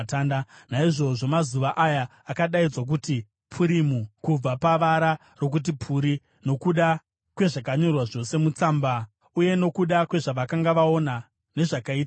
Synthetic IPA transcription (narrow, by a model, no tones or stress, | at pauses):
taːndanaiʐo̞ʐo̞mazuʋaʔajaː | kaɗaid͡zwok̬uti | pʰuɾimukub͡vapaʋaɾa | ro̞k̬ut̬ipʰuɾi | no̞kuɗa | kwe̞ʐakaɲo̞rwaʐo̞se̞mut͡saːmba | uje̞no̞kuɗakwe̞ʐaʋakaŋɡaʋao̞na | ne̞ʐakaiːta